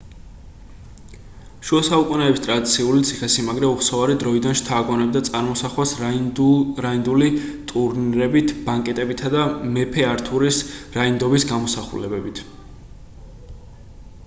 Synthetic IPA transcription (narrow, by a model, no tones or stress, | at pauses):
ʃuɔsaukʼunɛɛbist̪ʼɾad̪it̪sʰiulit̪sʰiχɛsimaɡɾɛuχsɔvaɾid̪ɾɔid̪anʃt̪ʰaːɡɔnɛbd̪at̪sʼaɾmɔsaχwas | ɾaind̪ulit̪ʼuɾniɾɛbit̪ʰb̥aŋkʼɛt̪ʼɛbit̪ʰad̪amɛpʰɛaɾt̪ʰuɾisɾaind̪ɔbisɡamɔsaχṵlɛbɛbit̪ʰ